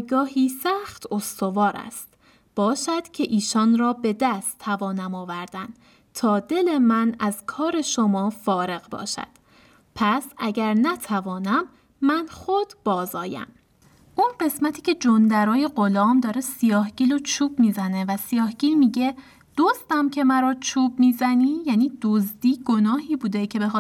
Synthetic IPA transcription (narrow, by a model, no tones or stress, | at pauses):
jɡɒːɦiːsæxt̪ʰost̪o̞vɒːɾæ̰st̪ | b̥ɒːʃæd̪̥cʰe̞ʔiːʃɒːnɾɒːbe̞d̪æst̪ʰːævɒːnæmɒːvæɾd̪ænd̪̥ | t̪ʰɒːd̪e̞lemænæz̥kʰɒːɾe̞ʃomɒːfɒːɾe̞ɣbɒ̰ːʃæ̰d̪̥ | pʰæsæɟæɾnæt̪ʰævɒːnæmː | ænχod̪̥b̥ɒːzɒːjæ̰m | ʔunɢe̞smæt̪ʰiːcʲʰe̞d͡ʒond̪æɾɒːje̞ɢo̞lɒːmd̪ɒːɾesijɒːhɟ̥iːlot͡ʃʰuːb̥̚miːzæne̞væsijɒːhɟ̥iːlmiːɟe̞ | d̪̥ozd̪æmcʰe̞mæɾɒːt͡ʃʰuːbmiːzæniːjæːniːd̪̥ozd̪iːɡ̥onɒːɦiːbuːd̪ecʰe̞be̞x